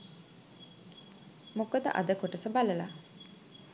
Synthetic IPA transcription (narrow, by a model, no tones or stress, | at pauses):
mokəd̪ə̰ʔa̰d̪əkoʈəsəbaləla